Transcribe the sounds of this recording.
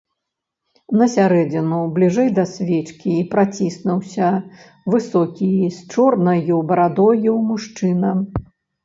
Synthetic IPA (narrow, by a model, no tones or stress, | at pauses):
nɐsʲaɾɛd͡zʲinublʲiʐɛjd̪ɐsʲvʲɛt͡ʂkʲiːpɾat͡sʲisnuwsʲɐ | vɨsɔkʲist͡ʂɔrnɐjubɐɾad̪ɔjuwmuʂt͡ʂɨnɐ